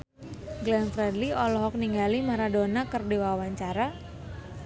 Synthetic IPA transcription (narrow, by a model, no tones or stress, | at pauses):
ɡlɛnfɾɛdliɔlɔɦɔk̚niŋɡalimaɾadonakərdiwawaɲt͡ʃaɾa